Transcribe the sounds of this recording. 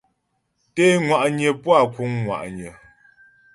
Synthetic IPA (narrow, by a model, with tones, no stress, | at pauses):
te˦ŋwa˨ʔɲə˨pwa˦˨ku˦ŋːwa̰˨ʔɲə˨